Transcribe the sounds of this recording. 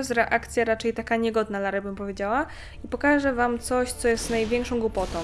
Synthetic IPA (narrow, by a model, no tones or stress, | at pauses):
st̪ɾɛʔakt̪sʲjaɾat͡ʂɛjt̪akaɲɛɡɔd̪nalaɾɛbɘmpɔvʲjed͡ʑawa | ipɔkaʐɛvamt̪sɔɕt̪sɔjɛst̪najvʲjɛŋkʂɔ̃w̃ɡwupɔt̪ɔ̃w̃